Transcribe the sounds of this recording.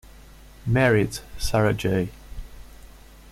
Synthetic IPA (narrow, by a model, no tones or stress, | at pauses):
mɛɹɪdsaɹəd͡ʒeɪ